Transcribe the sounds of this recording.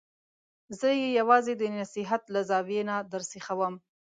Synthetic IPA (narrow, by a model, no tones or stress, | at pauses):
zəjejawɑzed̪ənasiɦat̪lazɑwenad̪aɾsixawəm